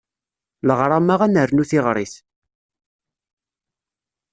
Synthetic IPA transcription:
ləʁɾˤamaʁænəɾnuθiʁɾˤis

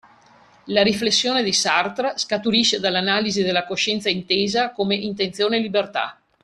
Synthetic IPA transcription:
laɾiflesːjoːned̪isart̪ɾaskat̪uɾiʃed̪alːanaːlizid̪elːakoʃɛnt̪saint̪eːzakomeʔint̪ent̪sjoːnelibert̪a̰

